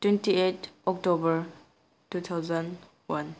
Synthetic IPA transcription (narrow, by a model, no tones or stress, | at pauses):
twentietɔk̚tobəɹ | tut̪ʰawzɔn | wan